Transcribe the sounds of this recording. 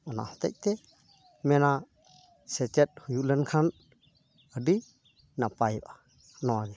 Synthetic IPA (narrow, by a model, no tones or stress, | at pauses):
ana̰hɔt̪a̰j̚t̪e | mɛna | set͡ʃɛt̚hujulənkʰan | ədi | napajba | nɔwaɡɛ